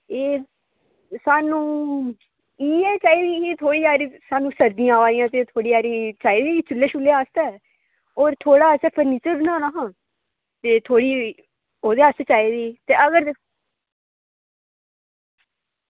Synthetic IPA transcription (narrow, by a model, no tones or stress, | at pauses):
eː | saːnũː | iːɛːt͡ʃaːiːd̪iːit̪ʰoːɽiːaːɾisaːnũːsəɾd̪ĩjãːʋaːĩjãːt̪eːt̪ʰoːɽiːaːɾiːt͡ʃaːiːd̪iːit͡ʃʊlːeːʃʊlːeːaːst̪ɛː | oːɾt̪ʰoːɽaːəsɛːpʰəɾniːt͡ʃəɾnãːnaɦãː | t̪eːt̪ʰoːɽiː | oːd̪eːaːseːt͡ʃaːiːd̪iːt̪eːəɡəɾ